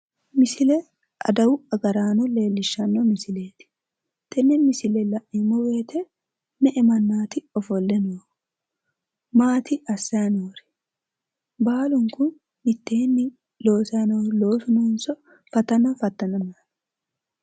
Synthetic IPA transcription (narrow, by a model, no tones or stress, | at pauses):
mɪsɪlɛ | ʔɐ̰d̪ɐwʊɐɡɐɾaːnɔle̞ːlːɪʃːɐnːɔmɪsɪleːt̪ɪ̥ | t̪ʰɛnːɛmɪsɪlɛlɐʔɪmɔwe̞ːt̪ɛ | nɛʔɛmɐnːaːt̪ɪɔfɔlːɛnoːɾ | maːt̪ɪʔɐsːɐjɐnoːɾɛ̥ | baːlʊŋkʊnː | ɪt̪ːeːnːɪ | lo̞ːsɐjnoːlo̞ːsʊnɔnsɔ | fɐt̪ːɐnɐfɐt̪ːɐnɐmaːn